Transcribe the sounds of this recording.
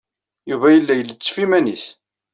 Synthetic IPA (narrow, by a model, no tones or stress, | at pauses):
juvæjəlːæjəlːət͡sːfimæniθ